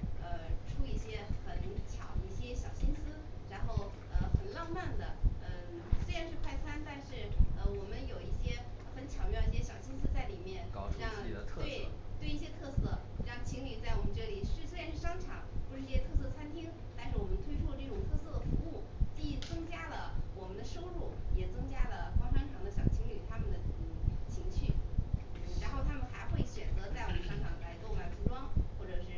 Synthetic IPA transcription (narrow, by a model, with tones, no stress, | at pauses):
ə˧ʈ͡ʂʰu˥i˥˩ɕjɛ˥xə˨˩nt͡ɕʰjɑ˨˩˦ʊi˥˩ɕjɛ˥ɕjɑ˨˩ʊɕi˥nsɹ̩˥ɻa˧˥nxo˥˩ʊ | ə˧xə˨˩nlɑ˥˧ŋma˥˩nd̪ə˩ə˧ | swe˥ɪɻa˧˥nʂɻ̩˥˧kʰwa˥˧ɪt͡sʰa˥nt̪a˥˧nʂɻ̩˥˩ə˧wɔ˨˩mə˦njo˨˩ʊi˥˩ɕjɛ˥xə˧˥nt͡ɕʰjɑ˨˩ʊmjɑ˥˧ʊi˥˩ɕjɛ˥ɕjɑ˨˩ʊɕi˥nsɹ̩˥t͡sa˥˩ɪli˨˩mjɛ˥˩n˥ɻɑ˥˧ŋʰ˧we˥˧˩ɪ˧t̪we˥˧ɪi˥˩ɕjɛ˥t̪ʰɤ˥˧sɤ˥˩ɻɑ˥˩ŋt͡ɕʰi˧˥ŋly˨˩t͡sa˥˩ɪwɔ˨˩mə˦nʈ͡ʂɤ˥˩li˨˩ʂɻ̩˥˩swe˥ɪɻa˧˥nʂɻ̩˥˩ʂɑ˥ŋʈ͡ʂʰɑ̰˨˩˦ŋpu˧˥ʂɻ̩˥˧˥ɕjɛ˥ɤ˥˧s̬ɤ˥˩ə˩t͡sʰa˥nt̪ʰi˥ŋ | t̪a˥˧nʂɻ̩˥˩wɔ˨˩mə˦nt̪we˥ɪʈ͡ʂʰwɔ˥˧lə˧˩ʈ͡ʂɤ˥˩ʈ͡ʂʊ˨˩ŋt̪ʰɤ˥˧sɤ˥˩d̪ə˩fu˧˥u˥˩t͡ɕi˥˩i˥˩t͡sɤ˥ŋt͡ɕja˥lə˨wɔ˨˩mə˦nd̪ə˧ʂo˥ʊɻu˥˩jɛ˨˩t͡sɤ˥ŋt͡ɕja˥lə˨kwɑ˥ŋʂɑ˥ŋʈ͡ʂʰɑ˧˥ŋd̪ə˧ɕjɑ˨˩ʊt͡ɕʰi˧˥ŋly˨˩t̪ʰa˥mə˨nd̪ə˩˨˩t͡ɕʰi˧˥ŋt͡ɕʰy˥˩˥ | ɻa˧˥nxo˥˩ʊt̪ʰa˥mə˨nxa˧˥ɪxwe˥˩ɪɕɥɛ˨˩nt͡sɤ˧˥t͡sa˥˩ɪwɔ˨˩mə˦nʂɤ˥˧ŋʈ͡ʂʰɑ˨˩ŋla˧˥ɪk̪o˥˩ʊma˨˩np̪ʰi˧˥ʈ͡ʂwɑ˥ŋxwɔ˥˩ʈ͡ʂɤ˨˩ʂɻ̩˥˩